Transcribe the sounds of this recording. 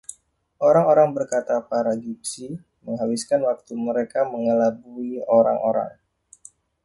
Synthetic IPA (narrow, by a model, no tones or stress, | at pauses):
ʔoɾaŋoɾaŋbərkat̪apaɾaɡip̚si | məŋɦawiskanwak̚t̪uməɾekaməŋəlabuioɾa̰ŋo̰ɾa̰ŋ